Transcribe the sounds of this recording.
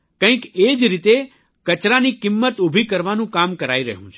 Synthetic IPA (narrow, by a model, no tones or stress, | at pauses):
kə̃ĩked͡ʒɾit̪e | kət͡ʃɾanikimːət̪ubʱikəɾʋanũkamkəɾaiɾəɦṵ̃t͡ʃʰe